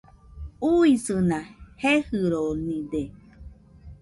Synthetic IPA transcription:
uisɨnãhehɨɾonĩd̪e

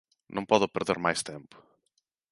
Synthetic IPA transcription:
nʔɐ̃w̃pɔðʊpɨɾðeɾmajst̪ẽmpʊ̥

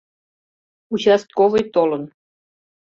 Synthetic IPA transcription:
ut͡ɕɑst̪̚kovɤjt̪olɤ̆n

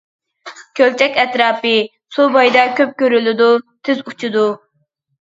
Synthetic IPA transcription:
kʲʰølt͡ʃʰɛkʲɛt̪ɾɑːpɨ | subɑjd̪ɑkʲøp̚kʲøɾylɪd̪ut̪ʰɪzut͡ʃʰud̪u

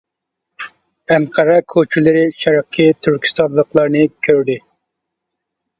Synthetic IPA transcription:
ɛŋqʰɑɾɛkʰot͡ʃʰilɪɾɪʃɛɾɑqʰːit̪ʰyɾkʲi̥st̪ɑnlˠəqlˠɑɾnɨkʲʰøɾd̪ɪ

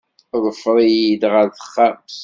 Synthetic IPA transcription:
ðˤəfɾˤijid̪ʁəɾθə̥χːæms

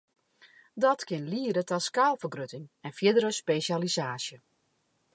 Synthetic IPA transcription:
dɔtkɪnliəɾətaskaːlˠfərɡrøtɪŋɛnfjɪdəɾəspeːʃjalizaːsjə

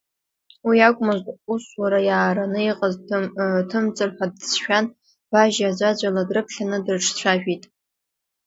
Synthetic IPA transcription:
wiakʷʼmɨzʷtʼuswaɾajaːɾanɨiqʼaztʰɨmt͡sʼɨrħʷadsʃᶣan | b̥aʒad͡ʒʷad͡ʒʷaladrɨpʰɬʲanɨdrɨʈ͡ʂʰt͡ɕʷʰaʒᶣitʼ

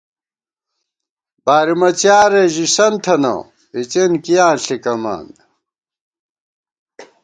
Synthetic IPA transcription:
b̥aːɾimɐt͡ɕjaːɾeʑisɐnt̪ʰɐnɐ̰̃ | it͡ɕenkijãːɬikɐma̰ːnd̪

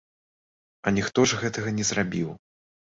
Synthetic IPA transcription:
ɐnʲixt̪ɔʐɣɛt̪ɐɣɐnʲɛzrabʲiw

